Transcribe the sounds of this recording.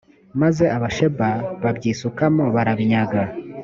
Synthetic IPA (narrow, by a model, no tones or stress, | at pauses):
maze̞ʔaβaʃe̞baβabɟiːsukamo̞βaɾaβiɲaɡa